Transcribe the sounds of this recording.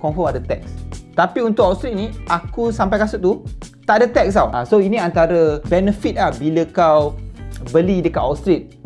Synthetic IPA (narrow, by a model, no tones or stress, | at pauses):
kɔ̃ɱfɔmadət̪ɛk̚st̪apiunt̪ʊk̚ast̪ɾit̪̚nĩʔakusampajkasut̪ːut̪aʔadat̪ɛk̚sawʔã̰soinĩant̪aɾəbɛnəfit̪̚lahbiləkawbəlidəkat̪ast̪ɾit̪̚